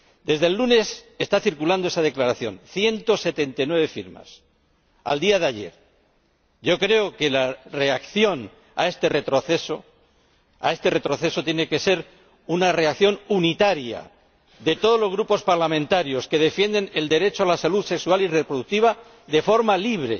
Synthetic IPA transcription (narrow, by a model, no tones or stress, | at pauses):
d̪e̞zðe̞lːune̞se̞st̪aθiɾkuland̪o̞esað̞e̞klaɾaθjo̞̰nθje̞nt̪o̞se̞t̪e̞nt̪ajnwe̞β̞e̞fiɾma̰s | a̰ld̪iaðeaʝe̞̰ɾ | ɟ͡ʝo̞kɾe̞oke̞lare̞akθjo̞n | a̰e̞st̪e̞re̞t̪ɾo̞θeso | a̰e̞st̪e̞re̞t̪ɾo̞θe̞so̞t̪je̞neke̞se̞ɾ | unare̞akθjo̞nunit̪aɾja̰ | ðe̞t̪o̞ð̞o̞zlo̞zɣɾupo̞spaɾlamẽnt̪aɾjo̞ske̞ðefje̞nd̪e̞neld̪e̞ɾe̞t͡ʃoalasaluðse̞ksualirepɾoðuk̚t̪iβa | ðe̞fo̞ɾmaliβ̞ɾe̞̰